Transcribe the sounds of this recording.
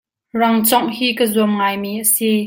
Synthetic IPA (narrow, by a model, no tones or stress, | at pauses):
rɐŋt͡sɔŋhiːkəzumŋaːjmiːʔəsi